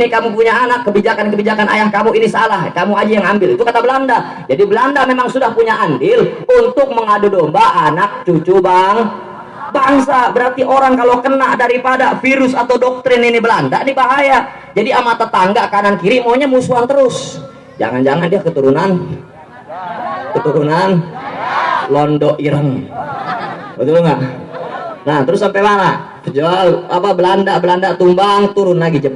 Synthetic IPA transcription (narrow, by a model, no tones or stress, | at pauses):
nikamup̬uɲaːnakːəbid͡ʒakankəbid͡ʒakana̰jahkamuinisalahkamuad͡ʒajaŋambɪlit̪ukat̪abəlanda | d͡ʒadibəlandamemaŋsudahpuɲaʔandɪlunt̪ʊk̚məŋadudombaʔanak̚t͡ʃut͡ʃubaŋ | baŋsabəɾart̪iʔoɾaŋkalokənaʔdaɾipadafiɾʊsat̪awdɔk̚t̪ɾɪninibəlandaʔnibaɦaja | d͡ʒadiamat̪at̪aŋɡakanankiɾiʔmaoɲamusuant̪əɾʊs | d͡ʒa̰ŋand͡ʒaŋandiakət̪uɾunan | kət̪uɾunan | lɔndɔʔiɾəŋ | ət̪uloŋɡaʔ | nat̪əɾʊsːampɛmana | pəd͡ʒualapabəlandaʔbəlandat̪umbaŋt̪uɾʊnlaɡid͡ʒəp